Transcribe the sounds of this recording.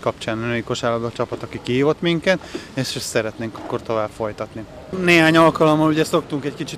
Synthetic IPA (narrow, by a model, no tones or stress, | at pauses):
kɒpt͡ʃaːnnøiko̞ʃaːlob̪ɒt͡ʃɒpɒt̪ɒkikiɦiːvo̞t̪miŋkɛt̪eʃsɛɾɛt̪neːŋkɒkːo̞rt̪o̞vaːpfo̞jt̪ɒt̪ni | neːɦaːɲɒlkɒlo̞mːɒluɟɛso̞k̚t̪uŋkɛckit͡ʃit̪